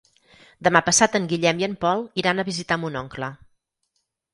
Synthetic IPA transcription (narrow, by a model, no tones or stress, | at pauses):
d̪əmapəsat̪əŋɡiʎɛmiəmpɔlˠiɾanəβizit̪amunɔŋklə